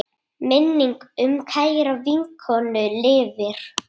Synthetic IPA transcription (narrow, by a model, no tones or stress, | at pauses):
mɪnːiŋkʏmkʰajɾaviŋkʰɔnʏlɪːvɪɾ̥